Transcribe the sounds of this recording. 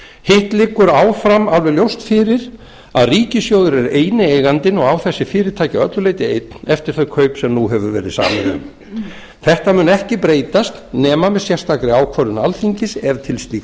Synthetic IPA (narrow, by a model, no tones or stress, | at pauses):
hɪht̪lɪkːʏɾaːwfɾamalvɛljowst̪fɪːɾɪɾ̥ | a̰ðriːcɪsjowðʏɾɛɾeːjnɪeːjɣant̪ɪnɔɣawθɛsːɪfɪːɾɪðt̪ʰaːjcaœ̰t̪lʏleːjt̪ɪejt̪nɛft̪ɪɾ̥θœɥkʰœɥpsɛmnuɦɛvʏɾvɛːɾɪ̰sa̰ːmɪnʏ̰m | θɛht̪amʏːnɛhcɪpɾeːjt̪ast̪nɛːmamɛðsjɛr̥st̪akɾɪaːwkʰvɔɾʏnalθiɲcɪsɛɾ̥t̪ʰɪlst̪iːk